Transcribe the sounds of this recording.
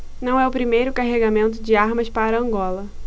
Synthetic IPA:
nɐ̃w̃ɛʊpɾimejɾʊkaɦeɡamẽnt̪̬ʊd͡ʒɪaɾmɐspaɾɐɐ̃ŋɡɔlɐ

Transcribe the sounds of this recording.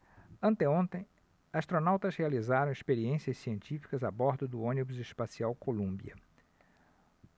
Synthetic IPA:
ɐ̃nt̪ẽõnt̪ẽj̃ | ast̪ɾonawt̪ɐzhealizaɾɐ̃w̃ɪspeɾiẽsiɐssiẽnt͡ʃifi̥kɐzabɔɾd̪ʊd̪ʊõnibʊzɪspasiawkolũmbḭɐ̰

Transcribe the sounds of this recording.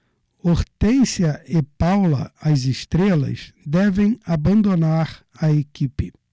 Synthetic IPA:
oɾt̪ẽsjɐɪpawlɐ̰ɐzest̪ɾelɐ̰sd̪ɛvẽj̃abɐ̃nd̪onaɾ | ɐekʲipɪ

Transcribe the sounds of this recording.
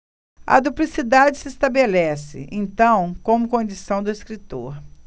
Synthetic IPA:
ɐ̰d̪uplisid̪ad͡ʒɪsɪest̪abelɛsɪ̰ʔḛ̃nt̪ɐ̃w̃kõmʊkõd͡ʒisɐ̃w̃d̪ʊiskɾit̪o̰ɾ

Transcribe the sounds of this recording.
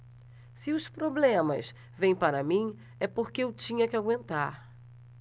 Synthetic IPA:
sɪʊspɾoblẽmɐ̰s | vẽj̃paɾɐmĩ | ɛpoɾkeewt͡ʃĩɲɐkɪaɡwẽnt̪aɾ

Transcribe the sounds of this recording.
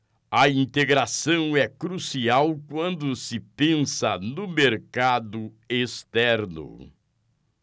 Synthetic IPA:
ɐĩnt̪eɡɾasɐ̃w̃ɛkɾusiawkwɐ̃nd̪ʊsɪpẽsɐnʊmeɾkad̪ʊ | est̪ɛɾnʊ̰

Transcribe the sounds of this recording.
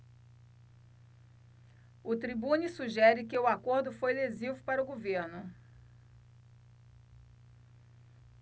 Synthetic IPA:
ʊt̪ɾibũnisuʒɛɾɪkɪʊakoɾd̪ʊfojlezivʊpaɾɐʊɡoveɾnʊ

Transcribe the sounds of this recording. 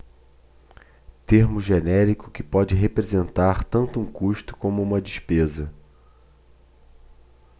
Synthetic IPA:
t̪eɾmʊʒenɛɾikʊ̥kɪpɔd͡ʒɪɦepɾezẽnt̪aɾt̪ɐ̃nt̪ʊũkuʃt̪ʊ̥kõmʊũmɐd͡ʒiʃpezɐ

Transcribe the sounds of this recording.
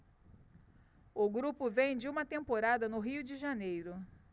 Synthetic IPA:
ʊɡɾupʊvẽj̃d͡ʒɪũmɐt̪ẽmpoɾad̪ɐnʊɦiʊd͡ʒɪʒanejɾʊ

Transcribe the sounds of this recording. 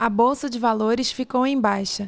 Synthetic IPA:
ɐbowsɐd͡ʒɪvaloɾɪsfikowẽj̃bajʃɐ

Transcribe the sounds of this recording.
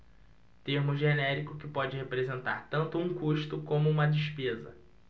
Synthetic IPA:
t̪eɾmʊʒenɛɾikʊkɪpɔd͡ʒɪhepɾezẽnt̪aɾt̪ɐ̃nt̪ʊũkuʃt̪ʊkõmʊũmɐd͡ʒɪʃpezɐ̰

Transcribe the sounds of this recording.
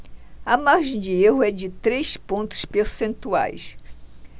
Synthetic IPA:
ɐmaɾʒẽd͡ʒɪeɦʊɛd͡ʒɪt̪ɾejspõnt̪ʊ̥speɾsẽnt̪ua̰js

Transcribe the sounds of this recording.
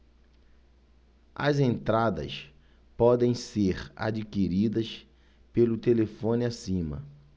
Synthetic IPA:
ɐ̰zẽnt̪ɾad̪ɐ̰s | pɔd̪ẽj̃seɾa̰d͡ʒikiɾid̪ɐs | pelʊt̪elefõnɪasĩmɐ̰

